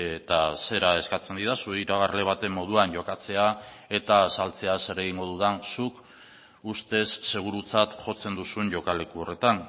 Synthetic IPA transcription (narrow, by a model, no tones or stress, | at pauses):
t̪ase̞ɾae̞skat͡se̞nd̪iðasueiɾaɣ̞aɾle̞β̞at̪e̞mːo̞ð̞uaɲʝo̞kat͡se̞a | e̞t̪asalt͡se̞ase̞ɾe̞ɣ̞iŋɡo̞ð̞uðansuk | ust̪e̞sːe̞ɣ̞uɾut͡sat̪ʝo̞t͡se̞nd̪usuɲʝo̞kale̞kuo̞re̞t̪an